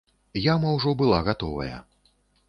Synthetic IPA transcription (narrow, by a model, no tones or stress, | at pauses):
jamɐwʐɔbɨlˠaɣat̪ɔvɐ̰jɐ̰